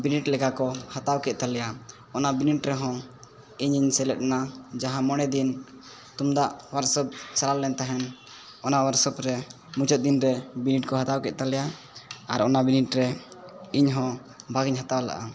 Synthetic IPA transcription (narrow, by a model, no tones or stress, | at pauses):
biniʈlɛkakɔhat̪awkɛʔ̪̚t̪alɛja | ɔnabiniʈɾɛɦɔ̃ | iɲiɲsɛlɛt̪̚nad͡ʒaɦãmɔɽ̃ɛd̪in | t̪umd̪aʔwaɾsəp̚t͡ʃaɾalːɛnt̪aɦɛn | ɔnawaɾsəpɾɛ | mut͡ʃɔt̪̚d̪inɾɛbiniʈ̚kɔɦat̪awkɛ̰t̪̚t̪alɛja | aɾɔnabiniʈɾɛiɲɦɔ̃ | bʱaɡiɲɦat̪awala̰ʔa̰